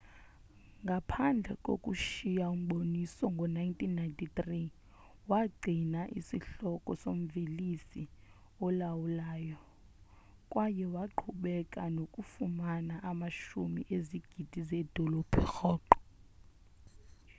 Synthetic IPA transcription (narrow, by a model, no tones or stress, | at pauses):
ŋɡʱapʰand͡ɮʱɛkʼo̰kʼuʃijaum̩ɓonisɔŋɡʱɔnajintʼinːajntʰʼitri | waɡ͡ǀʱinaʔḭsiɬɔkʼɔsom̩velisi | ɔlawulaːjɔ | kʼwajɛwaǃʰuɓɛkʼanokʼufumanaʔamaʃumiʔeziɡ̥ʱid̥ʱizɛd̥ʱɔlɔpʰɛxɔːǃɔ̥